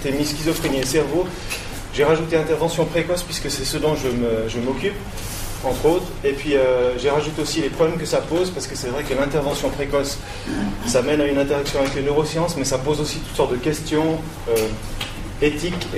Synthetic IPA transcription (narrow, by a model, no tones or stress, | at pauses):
t̪emiskʲizɔfχeniesɛʁvo | ʒeʁaʒut̪elɛ̃t̪ɛʁvɑ̃sjɔ̃pχekɔspɥiskəsɛsəd̪ɔ̃ʒəməʒəmɔkʲyp | ɑ̃t̪χot̪χepɥiøʒeʁaʒut̪eosilepχɔblɛmk̬əsapozpaʁsə̥kəsɛvʁɛkəlɛ̃t̪ɛʁvɑ̃sjɔ̃pχekɔsː | amɛnaynɛ̃t̪eʁaksjɔ̃avɛklenøʁosjɑ̃smɛsapozosit̪ut̪sɔʁt̪̚d̪əkʲɛst̪jɔ̃ | ø | et̪ik